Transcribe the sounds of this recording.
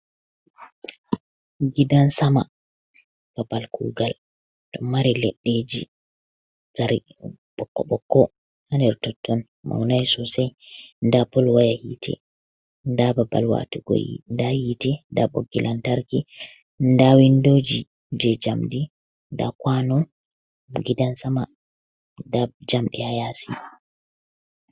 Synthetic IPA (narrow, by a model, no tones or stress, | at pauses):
ɡidansama̰ | b̥abalkṵːɡal | tɔmaɾilɛɗːed͡ʒḭ | saɾi | ɓɔkːɔɓɔkːɔ | handɛɾtɔtʰːɔn | ma̰wnajsɔsɛjndapɔlwajahḭːtʰɛ̰ | ndababa̰lwa̰tuɡo̰jḭndahiːtɛndaɓo̰ɡːilʔantaɾki | ndawindoːd͡ʒi | d͡ʒɛd͡ʒamdi | nda̰kwanɔ | ɡidansama | dad͡ʒamɗɛhajasḭ